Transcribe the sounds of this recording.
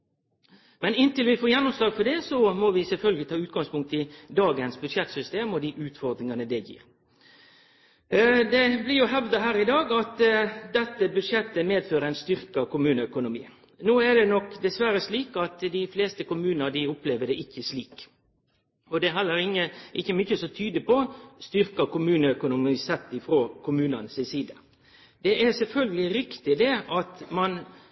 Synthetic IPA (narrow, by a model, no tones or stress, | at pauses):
mɛnɪnt̪ɪlʋɪfoːjɛnːʊmslɑːɡfɔɖɛsɔmɔʋɪsɛlfœlɡəlɪt̪ʰɑːʉːt̪̚ɡɑŋspʰʊŋk̚t̪ɪd̪ɑːɡənsbʉd̪ʂjɛt̪sʏst̪eːmɔd̪ɪʔʉːt̪fɔɾd̪ɾɪŋɑnəd̪ɛjḭːɾ | d̪ɛblɪɾjʊɦɛʋd̪əɦæːɾɪd̪ɑːɡɑt̪d̪ɛt̪ːəbʉd̪ʂjɛt̪ːəmeːd̪føːɾəæɪnst̪ʏɾkəkʊmʉːnəœkʊnʊmḭː | noːæɖ̪ɛnɔkd̪ɛsʋæɾəsliːkɑt̪d̪ɪfleːst̪əkʊmʉːnəəd̪ɪʊpleːʋəd̪ɛʔɪçːəsliːk | ɔd̪ɛɦɛlːəɾɪŋːəʔɪçːəmʏçəsɔt̪ʰyːd̪əpɔst̪ʏɾkəkʊmʉːnəœkʊnʊmisɛt̪ːɪfɾoːkʰʊmʉːnənsɪsiːd̪ə | d̪̥ɛʔæsɛlfœlɡəlɪɾɪkt̪ɪd̪ɛɑt̪mɑn